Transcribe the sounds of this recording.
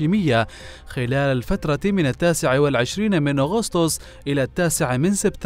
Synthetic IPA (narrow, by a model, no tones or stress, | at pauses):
iːmɪjːaxɪlaːlalfat̪ɾˤɑmɪnat̪ːaːsɪʕawɪlʕɪʃɾiːnmɪnʔaɣʊst̪ʊsˤ | ʔɪlat̪ːaːsɪʕamɪnsɪbt̪